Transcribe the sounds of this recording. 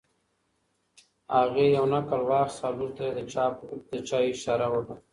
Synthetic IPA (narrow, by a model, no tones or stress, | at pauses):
aɣejawnakalwɑːxsaːlut̪ɾed̪əad̪ət͡ʃaːɪʃaɾawaʈo